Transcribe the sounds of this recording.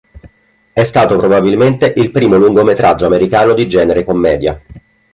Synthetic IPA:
ɛst̪aːt̪opɾobabilment̪eʔilpɾiːmoluŋɡomet̪ɾʔad͡ʒːoameɾikaːnod̪id͡ʒɛːneɾekomːɛːd̪ja

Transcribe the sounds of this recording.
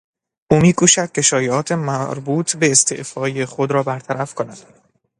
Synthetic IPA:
ʔuːmiːkʰuːʃæd̪̥̚ce̞ʃɒːjeɒːt̪ʰe̞mæɾbuːt̪ʰbe̞ːst̪ʰḛʔfɒːjeχod̪ɾɒːbæɾt̪ʰæɾæfkʰonæd̪̥

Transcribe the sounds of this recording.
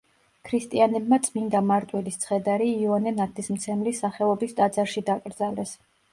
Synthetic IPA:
kʰɾist̪ʼianɛbmat̪sʼmind̪amaɾt̪ʼwɛlist̪sʰχɛd̪aɾiːanɛnat̪ʰismt̪sʰɛmlisːaχɛɔbist̪ʼad̪zaɾʃid̪akʼɾd̪zalɛs

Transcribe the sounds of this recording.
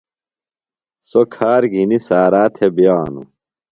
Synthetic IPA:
sokʰaːɾɡʱinisaːɾaːt̪ʰebjaːnṵ

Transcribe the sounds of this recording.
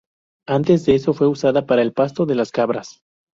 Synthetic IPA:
ant̪e̞zðeeso̞fwe̞usaðapaɾaelpast̪o̞ðe̞laskaβɾas

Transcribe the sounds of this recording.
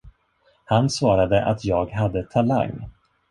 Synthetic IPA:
hansvɑːɾad̪əʔa̰t̪ʰjɑːɡɦad̪ːət̪ʰala̰ŋː

